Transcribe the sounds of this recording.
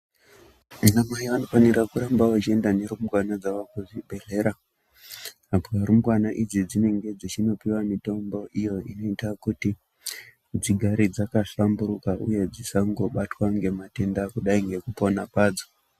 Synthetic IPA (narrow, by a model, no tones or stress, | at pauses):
munamajiʋanofaniɾakuɾambawat͡ʃie̞ndane̞ɾumuɡwanad͡zawakuzibʱe̞ɮe̞ɾa | apaɾumuɡwanaʔid͡zid͡zine̞ŋɡe̞d͡zit͡ʃino̞piwamito̞mbo̞ʔijo̞ino̞itakuti | d͡ziɡʱaɾid͡zakaɬambuɾukaʔṵje̞d͡zisaŋɡo̞ɓatwaŋɡe̞mate̞ndakuɗaiŋɡe̞kupo̞napaːd͡zo